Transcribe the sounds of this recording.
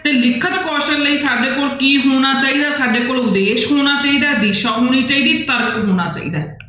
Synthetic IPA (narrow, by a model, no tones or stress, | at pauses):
t̪eːlɪkʰət̪kɔːʃənləiːsaːɖeːkoːlkiːɦoːñaːt͡ʃaːiːd̪aːsaːɖeːkoːlʊd̪eːʃɦoːɽ̃aːt͡ʃaːiːd̪aːd̪iːʃaːɦoːɽ̃iːt͡ʃaːiːd̪iːt̪əɾəkɦoːɽ̃aːt͡ʃa̰ːḭːd̪aː